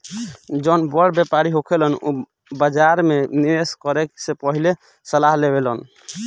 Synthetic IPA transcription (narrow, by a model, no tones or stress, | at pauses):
d͡ʒɔnbəɽ̤bjepaɾiɦokʰelənṵ | bəd͡ʒaɾmeniɾeskɔɾeksepəɦile | səlaɦlebelən